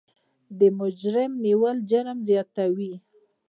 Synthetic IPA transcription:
d̪əmʊd͡ʒɾɪmniwəld͡ʒaɾəmzjɑt̪awi

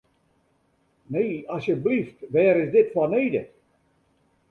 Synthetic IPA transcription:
neːɑsjəbliftʋɛːɾɪsdɪtfɔneːdə

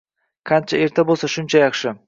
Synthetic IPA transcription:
kʰant͡ʃʰae̞ɾt̪ʰabolˠsaʃʊnt͡ʃʰajɑχʃɪ

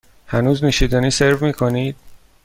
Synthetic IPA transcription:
hænuːzniʃiːd̪æniːseɾvmiːkʰoniːd̪̥̚

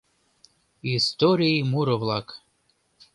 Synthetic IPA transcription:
ist̪oɾiimuɾəvlˠak

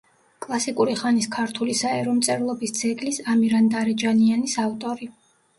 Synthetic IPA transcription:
kʼlˠasikʼuɾiχaniskʰaɾt̪ʰulisaɛɾɔmt̪sʼɛɾlˠɔbisd̪sʰɛɡlisamiɾand̪aɾɛd͡ʒanianisavt̪ʼɔɾi

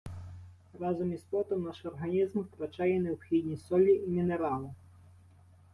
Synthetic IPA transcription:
rɑzɔmispɔt̪ɔmnɑʃɔrɦɐnʲizmwt̪ɾɐt͡ʃɑjɛnewpxʲid̪ʲnʲisɔlʲːiʔːmʲineɾɑlˠɪ

